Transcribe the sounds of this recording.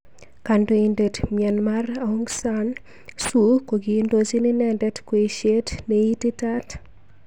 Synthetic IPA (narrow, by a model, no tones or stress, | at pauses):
kandoindetmjɛnmarauŋɡsan | sukoɡindosininɛndɛtkweʃetneititat